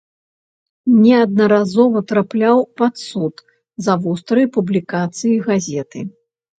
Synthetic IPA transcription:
nʲɛɐd̪̚nɐɾazɔvɐt̪ɾaplʲawpat̪sut̪ | zɐvust̪ɾɨjpublʲikat̪sɨjiɣazʲɛt̪ɨ̰

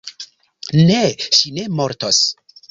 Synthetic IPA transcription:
neʃinemoɾtos

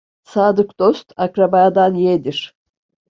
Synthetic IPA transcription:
saːd̪ɯkd̪̥ost̪ʰakɾabaːd̪anjed̪iɾ̥

